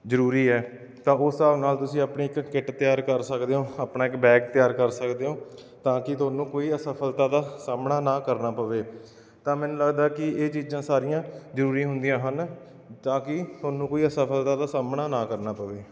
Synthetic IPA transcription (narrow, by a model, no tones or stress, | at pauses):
zəɾuːɾiːɛː | t̪ãːʊsaːʋnaːlt̪ʊsĩːaːpɳeːɪkːɪʈt̪ɪjaːɾkəɾsəkd̪eːõːaːpnaːɪkbɛːkt̪ɪjaːɾkəɾsəkd̪eːõː | t̪ãːkɪt̪ʊaːnũːkoːiːəsaːpʰəlt̪ãːd̪aːsaːmnaːnãːkəɾnaːpəʋeː | t̪ãːmɛ̃ːnũːləɡd̪aːkɪeːt͡ʃiːd͡ʒãːsaːɾɪjãːzəɾuːɾĩːɦʊnd̪ijãːɦən | t̪ãːkɪt̪ʊaːnũːkoːiːəsaːpʰəlt̪aːd̪aːsaːmnaːnãːkəɾnaːpəʋeː